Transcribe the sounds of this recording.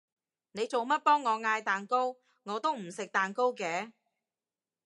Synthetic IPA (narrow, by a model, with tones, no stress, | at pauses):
ne˨˧jt͡so˨wmɐ˥t̚pɔː˥ŋːɔː˨˧ŋaː˧jt̪aː˨˩nko˥w | ŋɔː˨˧t̪o˥wm̩˨˩sɪ˨k̚t̪aː˨nko˥wkɛː˨˧